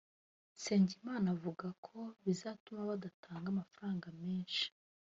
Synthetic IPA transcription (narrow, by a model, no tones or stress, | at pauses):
seːɲɟimaːnavuɡakʰo̞βizaːtumaβadatʰaːŋɡamafaɾaːŋɡame̞ːnʃi̥